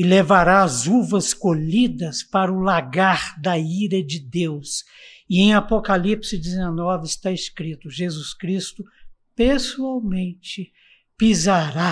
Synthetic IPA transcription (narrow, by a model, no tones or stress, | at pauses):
ɪlevaɾaːzuvɐskoʎid̪ɐspaɾɐʊlaɡaɾd̪ɐiɾɐd͡ʒɪd̪ews | ɪẽj̃apokalipsɪd͡ʒɪzenɔvɪɪst̪aɪskɾit̪ʊʒezuskɾist̪ʊ | pesuawmẽnt͡ʃɪ | pizaɾa